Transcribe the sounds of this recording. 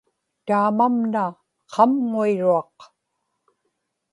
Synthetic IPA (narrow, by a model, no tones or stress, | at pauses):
t̪aːmamna | qʰɑmŋuiɻuɑq